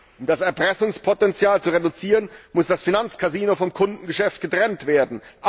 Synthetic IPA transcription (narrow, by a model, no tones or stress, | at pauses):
ʔʊmdasɛɐpʁ̥ɛsʊŋspʰotɛnt͡sjaːlt͡suʁedʊt͡siːʁənmʊsd̥asfinant͡skʰaziːnofɔmkʰʊndn̩ɡəʃɛft̚ɡ̥ətʁ̥ɛntv̥eːɐdn̩ʔ